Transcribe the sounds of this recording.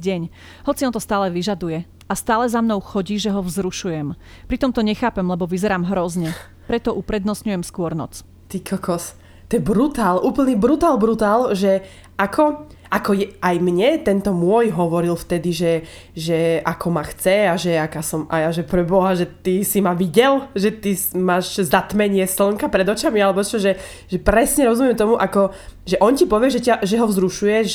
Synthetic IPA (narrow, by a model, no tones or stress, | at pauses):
ɟɛɲ | ɦɔt͡siɔnt̪ɔst̪aːlɛʋiʒad̪ujɛ | ast̪aːlɛzamnɔʊxɔɟiːʒɛɦɔvzɾuʃujɛmpɾit̪ɔmt̪ɔɲɛxaːpɛmlɛbɔʋizɛɾaːmɦɾɔzɲɛ | pɾɛt̪ɔʔupɾɛd̪nɔsɲujɛmskʊɔɾnɔ̰t͡s | t̪ikʰɔkɔs | t̪ɔjɛbɾut̪aːlʔuːpl̩ɲibɾut̪aːlbɾut̪aːlʒɛ | ʔakʰɔ | ʔakɔjɛajmɲɛt̪ɛnt̪ɔmʊɔjɦɔʋɔɾilft̪ɛd̪iʒɛ | ʒɛakʰɔmaxt͡sɛaʒɛakaːsɔma̰jaʒɛpɾɛbɔɦaʒɛt̪isimaʋiɟɛlʒɛt̪ismaːʒzat̪mɛɲɪɛsl̩ŋkapɾɛd̪ɔt͡ʃamialɛbɔt͡ʃɔʒɛ | ʒɛpɾɛsɲɛɾɔzumjɛmt̪ɔmuʔakɔʒɛʔɔncipɔʋɪɛʒɛcaʒɛɦɔzɾuʃujɛʒ